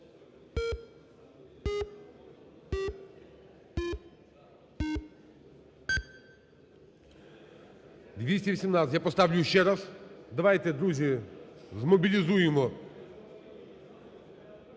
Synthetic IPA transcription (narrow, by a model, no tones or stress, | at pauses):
d̪vʲesʲt̪ʲɛʋisʲimnat̪sʲt̪ʲjapɔst̪avlʲuʃɛɾasd̪ɐʋajt̪ɛd̪ɾuzʲɪzmɔbʲilʲizujɪmɔ